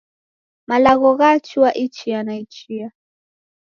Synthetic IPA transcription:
malaɣɔɣat͡ʃiwaʔit͡ʃianait͡ʃia

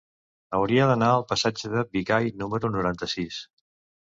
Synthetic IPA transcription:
əwɾiəðənaəlˠpəsad͡ʒəðəbikajnuməɾunuɾant̪əsis

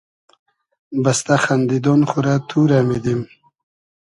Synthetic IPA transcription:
bast̪axand̪id̪onχʊɾat̪ʰuɾamed̪im

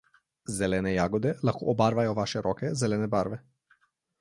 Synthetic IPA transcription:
zɛlɛnɛjaɡɔd̪ɛlˠakɔʔɔbaɾvajɔvaʃɛɾɔkɛzɛlɛnɛbaɾvɛ

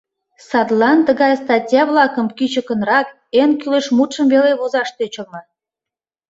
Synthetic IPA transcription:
sɑd̪lɑnt̪əɣɑjst̪ɑtʲjɑβlɑkəmkyt͡ɕə̆kə̆nrɑk | enkyleʃmut̪ʃəmβeleβozɑʃt̪øt͡ɕə̆lmɤ̆

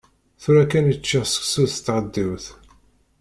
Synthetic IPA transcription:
θuɾækːænət͡ʃːiʁsə̥ksuðt̪ːʁəd̪ːiwθ

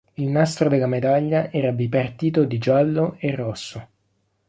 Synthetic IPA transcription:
ilnast̪ɾod̪elːamed̪aʎːaʔɛːɾad̪ipart̪iːt̪od̪id͡ʒalːoerːɔsːo

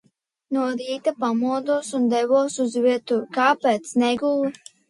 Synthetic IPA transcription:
nuɔɾiːt̪apamuɔd̪uɔsund̪ɛvɔɔsuzviɛt̪ukaːpɛːt̪snɛɡul

